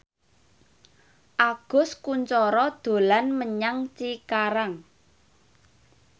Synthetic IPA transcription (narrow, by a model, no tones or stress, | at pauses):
ʔaɡ̥ʊ̤skuɲt͡ʃɔɾɔd̪̥o̤lanməɲaŋt͡ʃikaɾaŋ